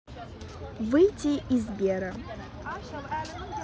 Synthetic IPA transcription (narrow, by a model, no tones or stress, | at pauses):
vɨjtʰʲiʔizbʲeɾɐ